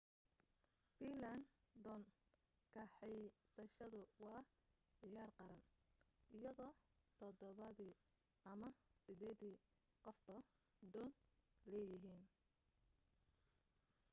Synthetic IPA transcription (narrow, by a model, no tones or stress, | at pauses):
biːland̪ɔn | kʰɐħɛjsɐʃɐðʊwɑː | ʕɪjaːrqɑɾɐnʔɪjɐðɔːt̪ʰɔdɔβɐðiː | ʔɐmɐsɪd̪ɛːd̪iː | qɔfbɐ | d̪ɔːnlɛːjɪɦiːn